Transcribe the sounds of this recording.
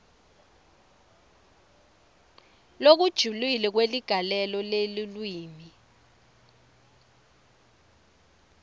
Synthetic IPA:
lok̬ud̥ʒ̥ʱulilɛk̬weliɡ̥ʱalɛlɔlelilwiːmi

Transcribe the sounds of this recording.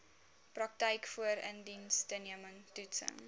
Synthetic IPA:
prɐk̚təjkfuəɾə̰ndinstəniəməŋtutsə̰ŋ

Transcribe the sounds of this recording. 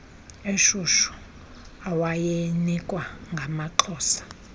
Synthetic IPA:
eʃuʃu̥ | awajenikʼwaŋɡʱamaǃʰɔːsḁ

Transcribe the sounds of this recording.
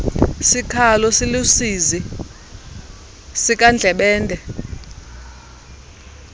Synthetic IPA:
sikʰalɔsilusizi | sik̬ʼand͡ɮʱɛɓɛːntʼɛ

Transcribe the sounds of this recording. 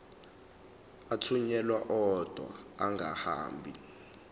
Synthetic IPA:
atʰuɲɛlwaʔɔd̥ʱwa̰ːŋɡʱaha̰ːmbʱḭ

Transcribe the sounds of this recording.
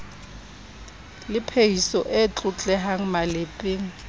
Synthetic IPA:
lɪpʰeisɔʔet͡ɬʼʊt͡ɬʼɛɦaŋ̩malɪpʼeːŋ̩

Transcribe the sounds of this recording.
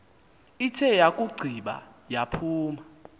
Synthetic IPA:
itʰɛjakʼuɡ͡ǀʱiɓa̰ | japʰuːma

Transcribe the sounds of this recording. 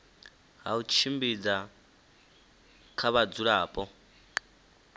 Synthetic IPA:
ɦaut͡ʃʰimbid͡za | kʰaβad͡zuɺaːpʼɔ

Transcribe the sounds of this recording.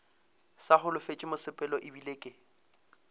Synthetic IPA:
saχʊlʊfet͡ʃʼɪmʊsɪpʼɛlɔʔɪbileːkʼɪ

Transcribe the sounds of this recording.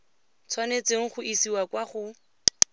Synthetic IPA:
t͡sʰwanet͡seŋ̩χʊʔisiwakwaχʊ

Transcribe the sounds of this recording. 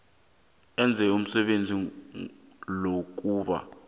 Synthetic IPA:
ɛnd͡zʱɛum̩sɛɓend͡zʱi | lok̬uːɓa̰

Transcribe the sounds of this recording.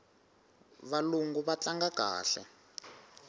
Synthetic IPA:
βaluŋɡuβat͡ɬaŋɡaɡ̥ʱa̰ːɬɛ̰

